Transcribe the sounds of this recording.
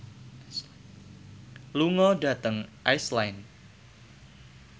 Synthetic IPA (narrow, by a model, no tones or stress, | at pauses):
luŋɔda̤t̪əŋʔajslajn